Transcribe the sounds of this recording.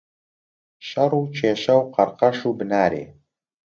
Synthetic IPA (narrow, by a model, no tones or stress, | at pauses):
ɕɐruːt͡ʃʰeːɕɐwqɑrqɐʂuːbɨnaːɾḛː